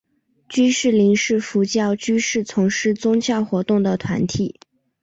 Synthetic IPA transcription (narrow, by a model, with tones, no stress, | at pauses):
t͡ɕy˥ʂɻ̩˥˩li˧˥ŋʂɻ̩˥˩fu˧˥t͡ɕjɑ˥˩ʊt͡ɕy˥ʂɻ̩˥˩t͡sʰʊ˧˥ŋʂɻ̩˥˩t͡sʊ˥ŋɕjɑ˥˩ʊxwɔ˧˥t̪ʊ˥˩ŋd̪ə˩t̪ʰwa˧˥nt̪ʰi˨˥˩